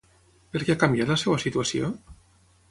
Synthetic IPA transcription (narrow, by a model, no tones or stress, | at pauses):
peɾkeakambjat̪lasewasit̪uasio̰